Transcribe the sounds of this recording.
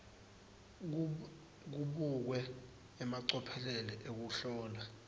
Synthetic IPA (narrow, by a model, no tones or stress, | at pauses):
k̬uɓuk̬wɛː | maǀɔpʰɛlɛlɛʔek̬uɬɔːla